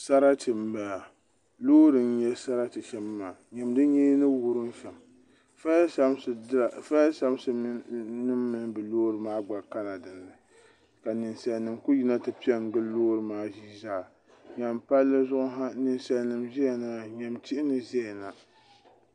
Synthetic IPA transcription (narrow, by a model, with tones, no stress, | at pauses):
sa˦ɾa˦tɨ˨mba˨ | loː˦ɾɨ˨n̩˦ɲɛ˦sa˦ɾa˦tɨ˨ʃɛ˦mːaː˨ɲɛ˨mdɨ˦ɲeː˦nɨ˦wu˦ɾɨ˦n˦fɛ˨m | fa˦a˦msfa˦sa˦msɨ˦nɨ˦mːɨ˨nbɨ˨loː˦ɾɨ˨maː˦ɡ͡ba˨ka˦la˨dɨ˨nːɨ˨ | ka˨nɨ˨nsa˨nːɨ˨mku˦ji˦na˦tɨ˨pi˦ɛ˦ŋ˨ɡ͡bɨ˦loː˦ɾɨ˨maː˦ʒiː˦zaː˦˨ | ɲa˨mpa˦lːɨ˦zʊ˦ʔʊ˦ɦa˦nɨ˨nsa˨nɨ˨mʒɛ˦˨na˦ɲɛ˨mti˦ʔɪ˦nɨ˨ʒɛ˦˨na˨